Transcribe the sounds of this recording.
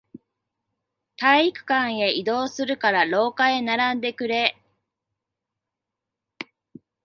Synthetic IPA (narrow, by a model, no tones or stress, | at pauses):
t̪aiikɯ̟̥kãɰ̃e̞id̪o̞ːsɨɾɯ̟kaɾaɾo̞ːkae̞naɾãnd̪e̞kɯ̟ɾe̞